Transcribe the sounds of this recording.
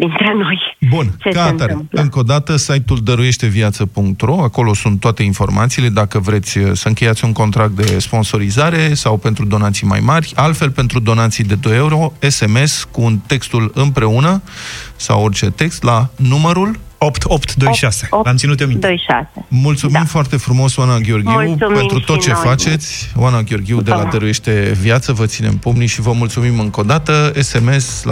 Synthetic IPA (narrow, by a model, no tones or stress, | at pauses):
d̪int̪ɾeno̞jbunt͡ʃekaaɾeɨŋko̞d̪at̪əsajt̪uld̪əɾuje̞ʃt̪e̞viat̪səpuŋk̚t̪ro̞ako̞lo̞sunt̪ːoat̪e̞info̞rma̰t̪siːle̞d̪akəvɾe̞t̪sʲəsəɨŋkʲe̞jat̪sʲuŋko̞nt̪ɾak̚t̪̚d̪e̞spo̞nso̞ɾizaɾe̞sawpe̞nt̪ɾud̪o̞nat̪sijma̰jmarʲalt̪fe̞lpe̞nt̪ɾud̪o̞nat̪sijd̪e̞d̪o̞jeuɾo̞e̞se̞me̞skuːnt̪e̞kst̪ulɨmpɾe̞unəsa̰wo̞rʲt͡ʃe̞t̪e̞kst̪lanuməɾul | opt̪opt̪d̪ojʃase̥amt̪sinut̪omijasemult̪sumimfoart̪e̞fɾumo̞swanːaɡʲeo̞rɡʲiupe̞nɾut̪ot͡ʃe̞fat͡ʃe̞t̪sʲwʔanaɡʲeo̞rɡʲiud̪elad̪əɾuje̞ʃt̪e̞vjat̪səvət̪sine̞̰mpomniʃivəmult̪sumimɨŋko̞d̪at̪əese̞me̞s